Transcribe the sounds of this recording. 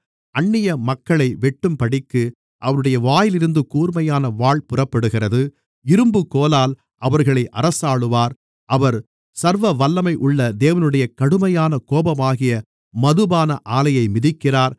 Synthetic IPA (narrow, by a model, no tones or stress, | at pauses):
ɐɳːɪjɐmɐkːɐɭɐɪʋɛʈːɯmpɐɽɪkːɯ | ʔɐʋɐnɯɽɐjɐʋaːjɪlɪɾɯnd̪ɯkuːɾmɐjaːnɐʋaːɭpʊrɐpːɐɽɯɣɪrɐðɯ | ɪɾɯmbɯkːoːlaːl | ʔɐʋɐɾɣɐɭɐɪʔɐ̰ɾɐsaːɭɯʋaːɾ | ʔɐʋɐɾ | sɐɾʋɐʋɐlːɐmɐɪʔʊɭːɐd̪eːʋɐnɯɽɐjɐkɐɽɯmɐjaːnɐkoːbɐmaːɣɪjɐ | mɐðɯbaːnɐʔaːlɐjɐɪmɪðɪkːɪraːɾ